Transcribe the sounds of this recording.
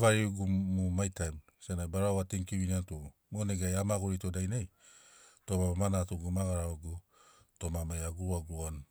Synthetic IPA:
vaɾiuɡumumajtajm | senajbaɾaoateŋkiβiniantumoneɡajamaɡoɾitodajnaj | tomamamanatuɡumaɡaɾaoɡu | to̞mamajaɡuɾuaɡuan

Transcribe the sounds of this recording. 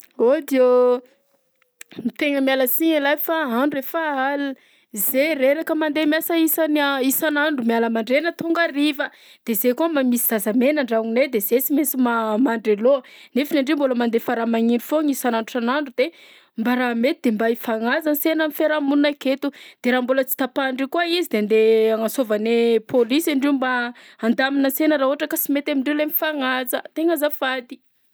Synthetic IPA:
od̪io | mit̪eŋəmialəsiɲilajfaaɳɖ͡ʐuefaalu | zereɾakəmand̪emjasəisanaisanaɳɖ͡ʐumialəmaɳɖ͡ʐenət̪uŋɡarivə | d̪̥ezekuəmamisi̥z̥azamenəɳɖ͡ʐaŋined̪ezesimesimamaɳɖ͡ʐelonefinaɳɖ͡ʐemboləmand̪efaɾamaɲinufoŋisananuʈ͡ʂanaɳɖ͡ʐud̪e | mbaɾamet̪id̪embaifaŋazansenamifeɾamunnaket̪ud̪̥eɾaːmbolət͡si̥t̪apaɳɖ͡ʐikuaizid̪end̪eaŋasovanepʰolisaɳɖ͡ʐeumbaand̪aminəsenəɾaoɦaʈ͡ʂəkəsimet̪amiɳɖ͡ʐewlemifaŋazət̪eŋazafad̪i̥

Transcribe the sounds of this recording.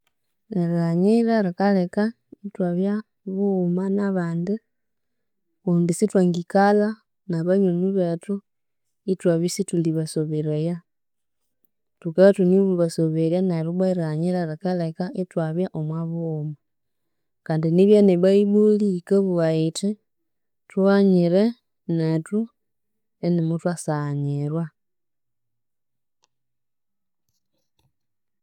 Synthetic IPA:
ɾaɲiɾaɾikaleka | itwaβja | βumanaβaːndi | undisitwaŋɡikala | naβaɲuniβetu | itwaβisituliβasoβeɾaja | tukaatuniβuβasoβeɾjanaɾuβaiɾaɲiɾaɾekalekaʔitwaβjaʔomwaβuma | kaːndiniβjaneβaiβulikaβuɣaiti | twaɲiɾe | netu | enimutwasaɲiɾwa

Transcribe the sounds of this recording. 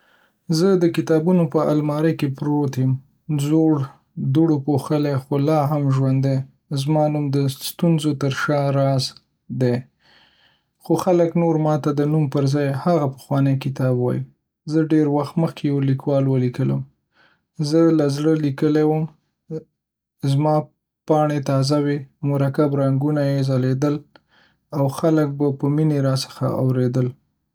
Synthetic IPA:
zəd̪əkɪt̪ɑbunopəa̰lmɑɾəjkepɾot̪em | zoɽ | d̪uɽopoxəlexolɑɦamʒwand̪e | zmɑnumd̪əst̪unzot̪əɾʃɑɾɑz | d̪e | xoxaləknoɾmɑt̪ad̪ənumpəɾzɑjhaɣapə̥xwɑnəjkɪt̪ɑbwɑ̰jḭ | zəɖeɾwaxt̪məxkʰejawlikwɑlwəlikələ̰m | zəlazɽəlikəlewəm | zmɑ | pɑɳet̪ɑzawemʊɾakabɾaŋɡunajezaled̪əl | awxalək̚bapəmineɾɑsə̥xa̰a̰wɾed̪əl

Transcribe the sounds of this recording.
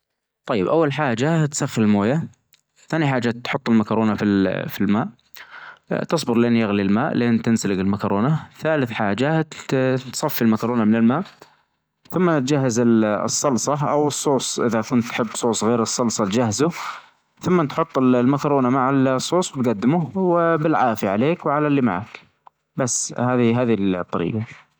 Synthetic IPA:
t̪ˤɑjːɪbʔawːalħaːd͡ʒat̪saxːɪlɪlmoːja | θaːniħaːd͡ʒat̪ːħʊt̪ˤːɪlmakɑɾˤoːnafifilmaːʔ | t̪ɨsˤbɪɾlʔɪːnjaɣlilmaːʔlʔeːnt̪ɪnsalɪɡɪlmakɑɾˤoːnaθaːlɪθħaːd͡ʒa | t̪sˤɑfːilmakɑɾˤoːnamɪnɪlmaːʔ | θʊmːanɪt̪d͡ʒaɦːazɪl̰sˤːɑlsˤɑʔa̰wɨsˤːoːsˤʔɪðakʊnt̪ːħɪbːsˤoːsˤɣeːɾɨsˤːɑlsˤɑt̪d͡ʒaɦzʊ | θʊmːat̪ħʊt̪ˤːɪllmakɑɾˤuːnamaʕalsˤːoːsˤwɪt̪ɡad̪ːɪmʊwɪbɪlʕaːfjaʕaleːkwʕalalːima̰ʕa̰k | basːhaːðiɦaːðilt̪ˤːɑɾḭːɡɑ

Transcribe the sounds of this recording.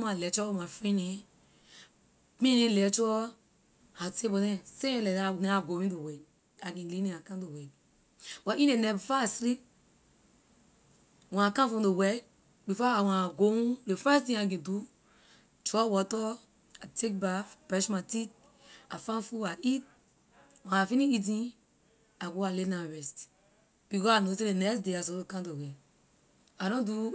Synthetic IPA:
malɛt͡ʃɔɔmafɹĩnɛ̃ | pĩnẽlɛt͡ʃɔ | atebɔdɛ̃seɛ̃lɛdɛnɛ̃aɡowĩdowɛd | akɛ̃lĩnɛ̃akãdowɛɡ̚ | waʔĩnenɛbfasɾip̚ | wɛ̃nakãfɔ̃mdowɛd̚ | bifɔawɛ̃naɡoũdefɛstĩak̬ɛ̃du | tɹɔwɔtɔ | atʰek̚bafpɛʃmatit | afãfuaʔit̚ | wɛ̃nafinĩit̬ĩ | aɡoalenaɹɛst | b̥ikɔanosedenɛksdeas̬ɔokãntowɛ | aɾɔ̃ndu

